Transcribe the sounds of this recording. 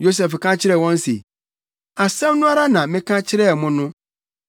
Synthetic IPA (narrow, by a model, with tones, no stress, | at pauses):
jo˦s̬ɛ˨fkʰã˦t͡ɕʰɪ˦ɾɛ˨wɔ̃˦n˦sḛ˨ | a˨sɛ̃˦m˦nʊ̃˦a˦ɾa˦nã˨mɪ̃˦kʰã˦t͡ɕʰɪ˦ɾɛ˦˨mʊ̃˦nʊ̃˦